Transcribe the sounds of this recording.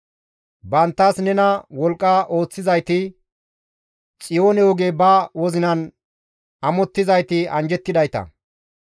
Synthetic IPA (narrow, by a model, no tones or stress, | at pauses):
bɐnt̪ːɐsnɛnɐwɔlkʼːɐʔo̞ːt͡sːɪzɐjt̪ɪ | t͡sʼɪjoːnɛɔɡeːbɐwɔzɪnɐn | ɐmɔt̪ːɪzɐjt̪ɪɐnd͡ʒɛt̪ːɪd̪ɐjt̪ɐ̰